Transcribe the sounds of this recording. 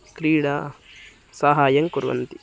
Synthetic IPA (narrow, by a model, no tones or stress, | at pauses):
kɾiːɽaː | sɐɦaːjɐŋkuɾʋɐ̰nt̪i